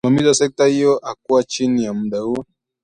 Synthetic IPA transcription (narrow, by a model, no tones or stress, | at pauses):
mamizasɛk̚tahijɔʔak̚uwat͡ʃinijamuɗahuɔ